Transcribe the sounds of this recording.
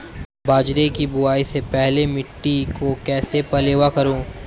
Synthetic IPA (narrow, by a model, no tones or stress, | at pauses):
baːd͡ʒɾekibʊaːisepɛɦlemɪʈːikokɛːsepɐleːʋakɐɾõː